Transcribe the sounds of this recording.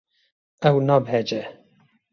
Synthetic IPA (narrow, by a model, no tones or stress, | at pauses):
ɛwnɑːbhɛd͡ʒɛ